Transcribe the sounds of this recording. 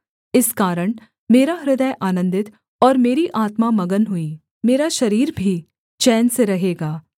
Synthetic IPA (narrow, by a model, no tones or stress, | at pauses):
ɪskaːɾəɽ̃ | meːɾaɾɪd̪əjʔaːnə̃nd̪ɪt̪ | ɔːɾmeːɾiʔaːt̪mamɐɡənɦʊiː | meːɾaʃɐɾiːɾbʱi | t͡ʃɛːnseɾɐɦeːɡaː